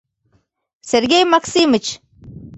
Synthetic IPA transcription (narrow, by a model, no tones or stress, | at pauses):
seɾɡʲejmaksiːmɨt͡ʃ